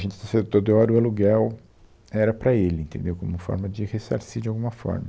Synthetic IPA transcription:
ʒẽnt͡ʃɪ̥t̪ɐsẽd̪ʊt̪od̪ʊɔɾʊaluɡɛw | ɛɾɐpɾɐelɪẽnt̪ẽnd̪ewkõmʊfɔ̰ɾmɐd͡ʒɪhesa̰ɾsid͡ʒɪawɡũmɐfɔ̰ɾmɐ

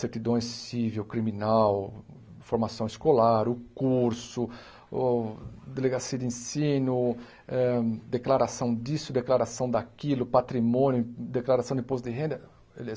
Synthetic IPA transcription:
set̪id̪õjsːivewkɾimĩnaw | foɾmasɐ̃w̃ɪskolaɾʊkuɾsʊ | d̪eleɡasiɐd̪ɪẽsĩnʊ | ɛd̪eklaɾasɐ̃w̃d̪isʊd̪eklaɾasɐ̃w̃d̪akilʊpat̪ɾimõnjʊ̃d̪eklaɾasɐ̃w̃d̪ɪ̃posd̪ɪɦẽd̪ɐ | el

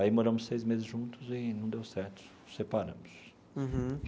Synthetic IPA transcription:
aimoɾɐ̃mʊssejzmezɪzʒũnt̪ʊzɪnɐ̃w̃d̪ewsɛɾt̪ʊ̥ | sepaɾɐ̰̃mʊs

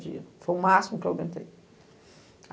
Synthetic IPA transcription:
d͡ʒḭɐfojũmasimʊko̰wmẽnt̪ḛj

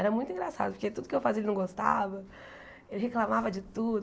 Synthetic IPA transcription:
ɛɾɐmũj̃t̪ʊĩŋɡɾasa̰d̪ʊpʊɾket̪ud̪ʊkɪewfazielɪnɐ̃w̃ɡost̪a̰vɐ | elɪɦeklamavɐd͡ʒɪt̪ud̪ʊ

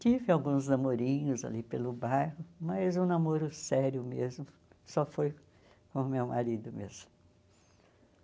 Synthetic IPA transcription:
t̪ivɪawɡũznɐmoɾĩɲʊza̰lipelʊbajhʊmɐjzʊ̃namoɾʊsɛɾjʊmezmʊ | sɔfoj | kõmewma̰ɾid̪ʊmḛzmʊ

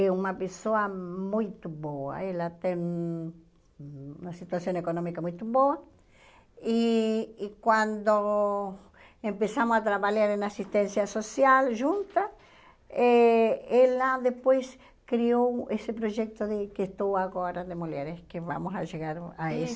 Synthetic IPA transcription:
ɛumapesoamũjt̪oβoa̰elat̪eŋ | unasit̪wasjõŋekonõmikamũjt̪oβoa | iː | kwãnd̪o | empesamosat̪ɾaβaʎaɾenasist̪ẽnsjasosjalʒũnt̪a | eelad̪epojs | kɾiowesepɾoʒɛk̚t̪oðekeest̪owaɣoɾad̪emuʎeɾeskeβa̰mosaʒeɣaɾaes

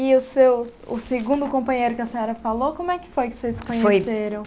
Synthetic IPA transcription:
ɪʊsewʊ̰sɪɡũnd̪ʊkõpɐ̃ɲejɾʊkɪɐsẽɲɔɾɐfalokõmʊɛkɪ̥fojkɪ̥sezkõɲfeojseɾɐ̃w̃

